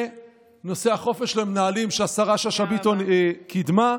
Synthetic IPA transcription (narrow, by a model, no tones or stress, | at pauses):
no̞se̞aχo̞fe̞ʃlemenaalimʃeasaʁaʃaʃabit̪onekid̪ma